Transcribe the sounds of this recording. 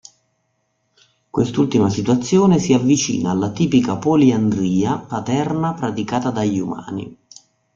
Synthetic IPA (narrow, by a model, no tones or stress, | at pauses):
kwest̪ult̪imasit̪uat̪sːjoːnesiavːit͡ʃḭːnaːlːat̪iːpikapoliand̪ɾiːapat̪ɛrnapɾat̪ikaːt̪ad̪aʎːuma̰ːnḭ